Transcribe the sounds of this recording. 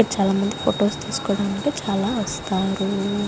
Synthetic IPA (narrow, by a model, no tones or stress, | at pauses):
ɐt͡ʃaːlaːmɐnd̪ipʰo̰ːʈo̞ːst̪iːsu̥kɔːɽɐnɐɳʈeːt͡ʃaːlaːʋɐst̪aːɾu